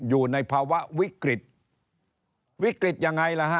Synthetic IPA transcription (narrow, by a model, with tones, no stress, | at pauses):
juː˨˩na˧jpʰaː˧wa˦˥ʔwi˦˥kɾi˨˩t̪̚ | wi˦˥kɾi˨˩t̪̚ja˨˧˩ŋːa˧jla˧˥ɦa˦˥